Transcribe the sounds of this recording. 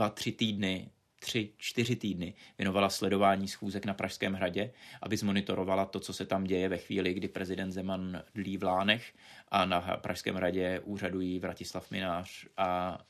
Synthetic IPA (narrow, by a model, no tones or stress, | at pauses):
vat̪r̝̥ɪt̪iːdnɪ | t̪r̝̥ɪt͡ʃt̪ɪrɪt̪iːdnɪvjɛno̞valaslɛdo̞vaːɲiːsxuːzɛknapɾʔaʃskɛːmɦɾaɟɛʔa̰bɪzmo̞nɪt̪o̞ɾo̞valat̪o̞t͡so̞sɛt̪amɟɛjɛvɛxvḭːlɪɡdɪpɾɛzɪdɛnt̪zɛmandliːvlaːnɛxʔanaɦpɾʔaʃskɛ̰ːmɦɾaɟɛʔuːr̝adujiːvɾacɪslafmɪnaːr̝̥ʔa